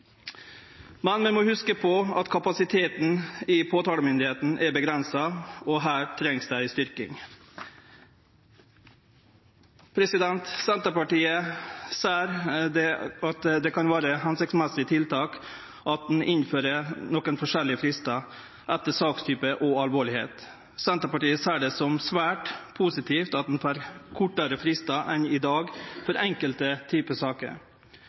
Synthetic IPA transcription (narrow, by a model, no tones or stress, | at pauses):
mɛnmɛnmoːhʉskəpʰɔɑt̪kʰɑpɑsɪt̪ʰeːt̪n̩ɪpʰoːt̪ʰɑːləmʏnd̪ɪheːt̪n̩ʔɛbəɡɾɛnsɑɔɦæːɾʈʰɾɛŋsd̪æɪst̪ʏɾkɪ̰ŋ | pʰɾɛsɪd̪ɛnt̪sɛnt̪əpɑʈiːəseːɾd̪ɛɑt̪d̪ɛkʰɑnʋæːɾəhɛnsɪksmɛsɪət̪ʰɪlt̪ʰɑːk | ʔɑt̪̚d̪n̩ʔɪnføːɾənɔkənfɔʂɛlɪəfɾɪst̪ɑ | ʔɛt̪ːəsɑːkst̪ʰyːpəʔɔɑlʋoːɭɪhḛːt̪ | sɛnt̪əpɑʈiːəseːɖɛsɔmsʋæːʈpʰuːsɪt̪ʰiːft̪ɑt̪̚d̪n̩fɑɾkʰʊʈːəɾəfɾɪst̪ɑʔɛnɪd̪ɑːɡfɔɾɛŋkəlt̪ət̪ʰyːpəsɑːkə̰ɾ